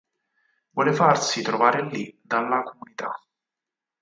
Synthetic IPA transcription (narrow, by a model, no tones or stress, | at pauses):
vɔlefarsit̪ɾovaːɾelːid̪alːakomunit̪a̰